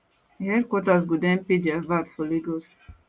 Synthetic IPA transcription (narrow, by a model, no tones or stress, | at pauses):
hɛdkwɔtas̬ɡudɛ̃npediavatfɔliɡos